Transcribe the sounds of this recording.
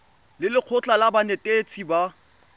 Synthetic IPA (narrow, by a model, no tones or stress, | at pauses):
lɪlɪq͡χʰʊt͡ɬʼalabanɛtʼet͡sʰiba